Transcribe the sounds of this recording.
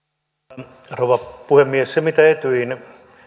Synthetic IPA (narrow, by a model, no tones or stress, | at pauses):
rowʋɑpuhemːiessemit̪æet̪yin